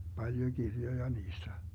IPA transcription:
b̥ɑljo ɡ̊irjojɑ niːstæ

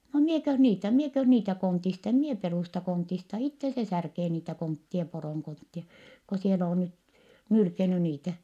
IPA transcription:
no miekøh niːtæ miekøh niːtæ kontist em mie peruˑstɑ kontistɑ itːe se særkeː niːtæ kontːie poroˑŋ kontːie ko siel oː nyt nylkeny niːtæ

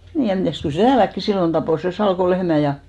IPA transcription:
niː jɑ mitæˑst kyl se tæːlækːi silːon tɑpoˑ sen̞ sɑlko lehmæ jɑ

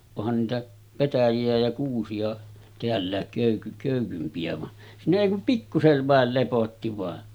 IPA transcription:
ohɑn niːtæ petæjiæ jɑ kuːsiɑ teælːæˑek køˑyky køˑykympiæ ʋɑ siːnæ eˑi kum pikːuseʋ ʋɑˑel lepotːi ʋɑˑe

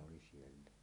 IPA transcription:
oli sielːæ

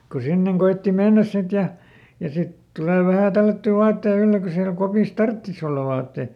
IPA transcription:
ku sinːeŋ koitːi menːæs sit jɑ jɑ sit tuleˑ ʋæhæˑ tælːætːy ʋɑːtːei ylːe ko siælæ̆ kopiˑs tɑrtːis olːɑ ʋɑːtːeĭ

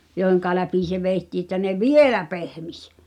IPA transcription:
joˑi̞h̆eŋkɑ læpi se ʋeˑi̞tːiː tːæ ne ʋielæ pehmis

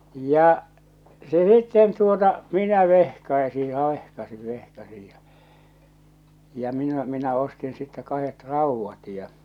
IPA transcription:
jɑ se sitːen tuotɑ minæ ʋehkɑi̞si jɑ ʋehkɑsin ʋehkɑsij jɑ jɑ minæ minæ ostin sitːæ kɑhet rɑuʋːɑt jɑ

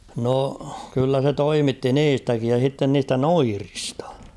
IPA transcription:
no kylːæ se toimitːi niːstækij jɑ sitːen niːstæ noiristɑ̥

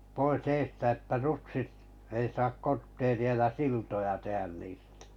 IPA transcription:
pois eːstæ etːæ rutsit ei sɑk kortːeːriɑ jɑ siltojɑ tehæn niːstæ̥

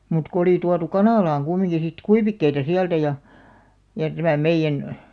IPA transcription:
mut ko oli tuɑtu kɑnɑˑlɑːŋ ɡ̊umːiŋɡ̊i sit kuiʋikːeitɑ siæltæ jɑ jɑ tæmæˑ meĭjːæn

